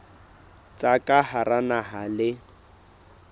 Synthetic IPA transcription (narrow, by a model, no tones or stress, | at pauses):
t͡sʼakʼaharanaɦalɪ